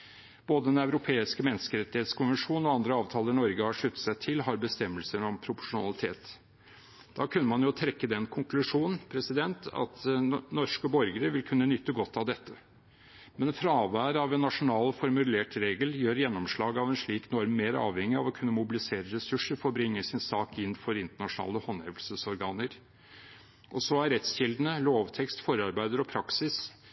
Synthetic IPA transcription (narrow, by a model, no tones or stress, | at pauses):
b̥oːd̪əd̪ɛnæʉɾʊpʰeːɪskəmɛnːskəɾɛt̪ːɪheːt̪skʰʊnʋənʂuːnɔɑnd̪ɾəɑːʋt̪ʰɑːləɾnɔɾɡəhɑʂʉt̪ːə̥t̪sæɪt̪ʰɪlɦɑɾbəst̪ɛmːəlsəɳɔmpʰɾʊpʊ̥ʂʊnɑ̰lɪt̪ʰeːt̪ | d̪̥ɑːkʰʉnːəmɑnjʊt̪ʰɾɛkːəd̪ɛnkʰʊŋkʰlʉʂuːnn̩pʰɾɛsɪd̪ɛnt̪ʰɑ̰t̪nɔʂkəbɔɾɡəɾəʋɪlkʰʉnːənʏt̪ːəɡɔt̪ːɑʋd̪ɛt̪ʰːə | mɛnfɾɑːʋæːɾɑʋɛnːɑʂʊnɑːlfɔɾmʉleːʈɾeːɡəljøːɾjɛnːɔmʂɭɑːɡɑʋɛnʂɭiːknɔɾmeːɾɑ̰ːʋhɛŋːɪɑʋɔkʰʉnːəmʊbɪlɪseːɾəɾɛsʉʂəɾfɔɾɔbɾɪŋːəsɪnsɑːkɪnːfɔɾɪnt̪əɳɑʂnɑ̰ːləhɔnɛʋəlsəsɔɾɡɑːnəɾ | ʔɔsɔæɾɛt̪sɕɪld̪ənəloːʋt̪ʰɛkst̪fɔɾɑɾbæɪd̪əɾɔpʰɾɑksɪs